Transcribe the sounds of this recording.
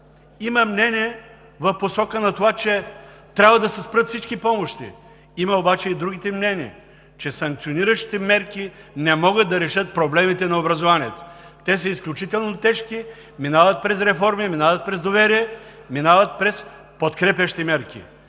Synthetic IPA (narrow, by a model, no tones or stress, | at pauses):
iməmnɛniɛ | vɐfposɔkənɐt̪ovat͡ʃɛt̪ɾʲabvɐd̪ɐsɛspɾət̪fsit͡ʃkipɔmoʃt̪ḭ | imɐobat͡ʃɛid̪ɾuɡit̪ɛmnɛniɛ̰ | t͡ʃɛsɐŋk̚t̪sioniɾəʃi̥t̪ɛmɛɾkinɛmɔɡət̪̚d̪ɐɾɛʃɤt̪̚pɾoblɛmit̪ɛnɐobɾɐzovaniɛt̪o̥ | t̪ɛsəisklʲut͡ʃit̪ɛlˠnot̪ɛʃki | minavɐt̪̚pɾɛs̬ɾɛfɔɾmiminavət̪̚pɾɛzd̪ovɛɾiɛ | minavət̪̚pɾɛs | pot̪kɾɛpʲjɐʃt̪imɛɾkḭ